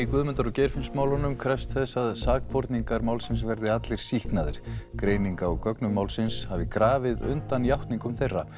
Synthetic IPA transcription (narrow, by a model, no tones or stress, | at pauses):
ikvʏðmɛnt̪aɾɔcɛjɾ̥fɪnsmaːwlɔnʏmkʰɾɛfst̪θɛsːaðsaːkpʰoɾt̪niŋkaɾmaːwlsɪnsvɛɾðɪat̪lɪɾ̥sihknaðɪɾ̥kɾeːjniŋkaɔkœknʏmawlsɪnshavɪkɾaːvɪðʏ̰nt̪anjawht̪niŋkʏmθejrːa